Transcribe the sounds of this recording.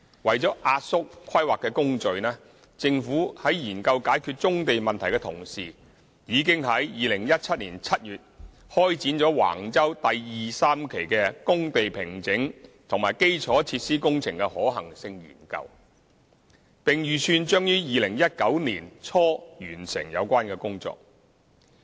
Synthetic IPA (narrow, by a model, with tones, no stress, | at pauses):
wɐ˨jt͡sɔː˨˥ʔaː˧t̚sʊ˥k̚ʰːɐ˥jwaː˨kːɛː˧kʊ˥ŋt͡ʃɵ˨˧ɥnɛː˥ | t͡sɪ˧ŋfuː˨˥hɐ˨˥jjiː˨˩nkɐ˧wkaː˨˥jkʰyː˧t̚t͡ʃʊ˥ŋt̪e˨jmɐ˨nt̪ʰɐ˨˩jkɛː˧t̪ʰʊ̰˨˩ŋsiː˨ | jiː˨˧k̬ɪ˥ŋɦɐ˨˥jjiː˨lɪ˨˩ŋjɐ˥t̚t͡sʰɐ˥t̚niː˨˩nt͡sʰɐ˥t̚jyː˨t̚ | hɔː˥jt͡siː˨˥nt͡ʃɔː˨˥wa̰ː˨˩ŋt͡sɐ˥wt̪ɐ˨jjiː˨saː˥mkʰe˨˩jkɛː˧kʊ˥ŋt̪e˨jpʰɪ˨˩ŋt͡sɪ˨˥ŋt̪ʰʊ˨˩ŋmaː˨˩jke˥jt͡ʃʰɔː˨˥t͡sʰiː˧t̚siː˥kʊ˥ŋt͡sʰɪ˨˩ŋkɛ˧hɔː˨˥ɦɐ˨˩ŋsɪ˧ŋjy̰ː˨˩nkɐ̰˧w | pɪ˨ŋjyː˨sʰyː˧nt͡ʃœː˥ŋjyː˥jiː˨lɪ˨˩ŋjɐ˥t̚kɐ˨˥wniː˨˩nt͡sʰɔː˥jyː˨˩nsɪ̰˨˩ŋjɐ̰˨˧wkʷaː˥nkɛː˧kʊ˥ŋt͡sɔ̰ː˧k̚